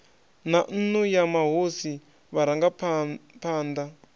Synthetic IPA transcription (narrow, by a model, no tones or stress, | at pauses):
nan̩nujamaɦosi | βaɾaŋɡapʰpʰaːnd̪a